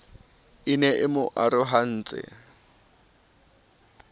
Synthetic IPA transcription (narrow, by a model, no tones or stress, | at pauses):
inɛʔɪmʊʔaɾʊɦan̩ːt͡sʼɪ̰